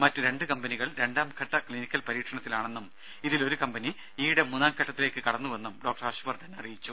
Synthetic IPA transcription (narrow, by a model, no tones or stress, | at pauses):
mɐtːɨɾe̞ɳɖɨkɐmbɐniɣɐɭɾe̞ɳɖaːmkʰɐʈːɐkɭinikʲːɐlpɐɾiːʈʂɐɳɐt̪ːilaːɳe̞nːum | iðilo̞ɾukɐmbɐni | iːɽemunːaːmkʰɐʈːɐt̪ːile̞ːkːɨkɐɽɐnːuʋe̞nːumɖo̞ːk̚ʈɐɾaɕuʋɐrd̪ʱɐnːɐrijit͡ɕːu